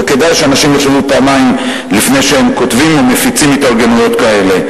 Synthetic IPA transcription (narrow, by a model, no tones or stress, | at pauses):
ke̞dajʃeanaʃimjeʃanupaamaim | lifne̞jʃehemkotvimomefit͡simit̪aʁɡenujo̞t̪kae̞le̞